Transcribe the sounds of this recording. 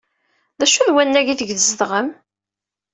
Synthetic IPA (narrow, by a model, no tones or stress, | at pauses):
ðæʃuðwænːæʝiθəɡðzəðʁəm